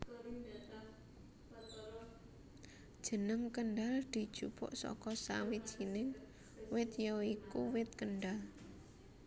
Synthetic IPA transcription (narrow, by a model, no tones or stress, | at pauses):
d̥ʒ̥ə̤nəmkəɳɖald̪̥i̤d̥ʒ̥upɔ̰ʔsɔ̰kɔsa̰wi̥ʒ̥inɪŋ | wɪt̪̚joikuwɪt̪̚kənɖal